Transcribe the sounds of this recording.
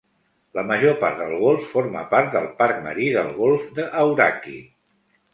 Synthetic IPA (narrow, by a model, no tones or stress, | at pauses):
ləməʒopa̰ɾt̪d̪əlˠɣ̞olˠfːoɾmə̰paɾt̪̚d̪əlˠpaɾk̚mə̰ɾiðəlˠɣolˠfd̪əʔːwɾa̰kḭ